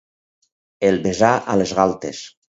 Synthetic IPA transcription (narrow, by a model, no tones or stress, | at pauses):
elˠβezaʔalezɣalˠt̪es